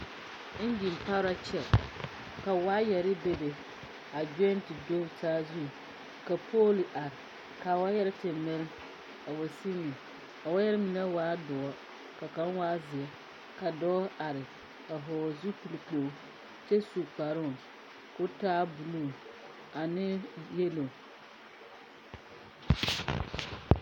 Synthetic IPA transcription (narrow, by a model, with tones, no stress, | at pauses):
n̩˦d͡ʒi˨m˨pa˦ɾa˦t͡ʃɛ˦ | ka˨waː˦jɛ˨ɾɪ˦be˦de˨ | a˨d͡ʒɛ˦n˦tɪ˨do˦taː˦zu˦˨ | ka˨pʰoː˦li˨ʔa˨ɾɪ˨ | ka˨wa˦jɛ˦ɾɪ˦tʰɪ˨mɪ˦ɾɪ˦ | a˨wa˨si˦nɪ̃˨ | a˨wa˦jɛ˦ɾɪ˦mĩ˨na˦waː˦dʊ˨ɔ˦ | ka˨ka˦n˦waː˦zɪ˨ɛ˦ | ka˨dɔː˦a˨ɾɪ˨ | a˨ɦɔ˨zu˦pi˨li˨po˨˦ | t͡ʃɛ˦su˨k͡pa˨ɾʊ˦˨ | kʊ˦taː˦bu˨lu˦˨ | a˨nɪ˦je˦lo˨